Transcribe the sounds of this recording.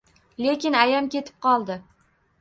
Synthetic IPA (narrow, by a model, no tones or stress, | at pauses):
le̞kʲɪnajamkʲe̞t̪ʰɪ̥p̚qʰɒlˠd̪ɪ